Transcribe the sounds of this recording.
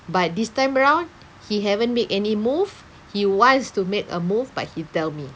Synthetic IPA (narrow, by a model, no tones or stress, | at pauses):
bat̚distãɪ̃məɹãʊ̃n | hiɦɛvə̃nmetɛnimuv | hiwɔ̃nstumekə̰mufba̰t̚hitɛlmi